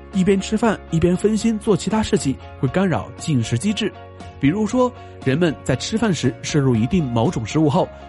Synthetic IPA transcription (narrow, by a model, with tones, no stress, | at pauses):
i˥˩p̬jɛ˥nʈ͡ʂʰɻ̩˥fa˥˩ni˥˩pjɛ˥nfə˥nɕi˥nt͡swɔ˥˩t͡ɕʰi˧˥t̪ʰa˥ʂɻ̩˥˧t͡ɕʰi˥˩˦ | xwe˥˩ɪka˥nɻɑ̰˨˩ʊt͡ɕi˥˩ŋʂɻ̩˧˥t͡ɕi˥ʈ͡ʂɻ̩˥˩ | pi˨˩ɻu˧˥ʂwɔ˥ | ɻə˧˥nmə˧nt͡sa˥˩ɪʈ͡ʂʰɻ̩˥fa˥˩nʂɻ̩˧˥ʂ̩˥˧ɻu˥˩i˧˥t̪i˥˩ŋmo˧˥ʊʈ͡ʂʊ˨˩ŋʂɻ̩˧˥u˥˧xo˥˩ʊ